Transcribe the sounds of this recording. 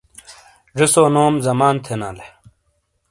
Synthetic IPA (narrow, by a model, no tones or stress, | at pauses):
ʐisoːnoːmzɐmaːnt̪ʰena̰ːle